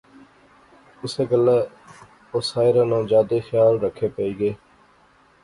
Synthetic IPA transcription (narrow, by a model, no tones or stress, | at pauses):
ʊseːɡəlːeː | oːsaːɪɾãːnãːd͡ʒaːd̪eːxjaːlɾəkʰeːpəiːɡeː